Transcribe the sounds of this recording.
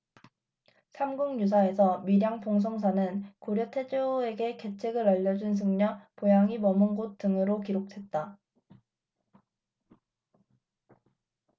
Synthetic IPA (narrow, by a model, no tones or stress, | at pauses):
sʰamɡuŋɲus̬ʰae̞sʰʌmiɾjaŋpoŋs̬ʰoŋsʰanɯnkoɾjʌtʰe̞d͡ʑoe̞ɡe̞ke̞t͡ɕʰe̞ɡɯɾʌʎːʌd͡ʑuns̬ʰɯŋɲʌpojaŋimʌmɯnɡot͈ɯŋɯɾokiɾok̚tʰwe̞t̚t͈a